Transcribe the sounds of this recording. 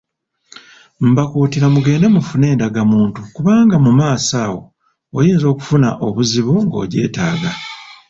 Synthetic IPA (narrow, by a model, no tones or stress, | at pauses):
m̩bakuːtiɾamuɡe̞ːndemufune̞ːndaɡamuːntukuβaːŋɡamumaːsaːwo̞̰ː | jiːnzo̞ːku̥funa̰ʔo̞βuziβuŋɡo̞̰ːɟe̞̰ːtaːɡa